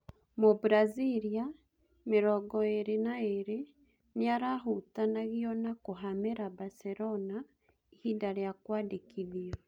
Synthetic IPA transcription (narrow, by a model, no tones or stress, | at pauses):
mobuɾaziɾia | meɾɔɡɔeɾenaeɾe | neaɾaɦutanaɣiɔnakoɦameɾabaseɾɔna | ihindaɾejakwaːdekiðiɔ